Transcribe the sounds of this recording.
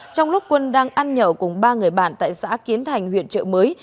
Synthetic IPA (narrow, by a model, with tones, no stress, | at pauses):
t͡ɕɔ˧wŋ͡mlʊ˦˥k͡p̚kwə˧nɗaː˧ŋʔaː˧nɲə̰ː˧˩kʊ˨˩ŋ͡mɓaː˧ŋɨ˨˩əjɓa̰ː˧˩nt̪a̰ː˧˨jsa̰ː˧˥ki˨˦ənt̪ʰa˨˩jŋ̟hwḭ˧˨ənt͡ɕə̰˧˨məː˨˦j